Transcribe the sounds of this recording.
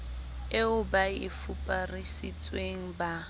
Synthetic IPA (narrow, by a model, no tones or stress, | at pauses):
ɪʊbaɪfupʼarisit͡sʼweŋ̩ba